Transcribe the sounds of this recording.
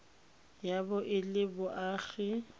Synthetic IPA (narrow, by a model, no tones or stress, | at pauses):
jabʊʔɪlɪbʊʔaːɣɪ